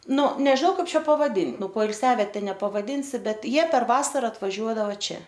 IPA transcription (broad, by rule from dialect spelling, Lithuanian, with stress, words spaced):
ˈnʊ nʲɛʒʲɪˈnɐʊ ˈkɐɪp ˈt͡ʃʲɛ pɐʋɐˈdʲɪn ˈnʊ poːɪlʲˈsʲæːʋʲiɛtʲɛ nʲɛpɐʋɐˈdʲɪnʲsʲɪ ˈbʲɛt ˈjiɛ pʲɛr ˈʋɑːsɐrɐ ɐtʋɐˈʒʲuɔdɐʋɐ ˈt͡ʃʲɛ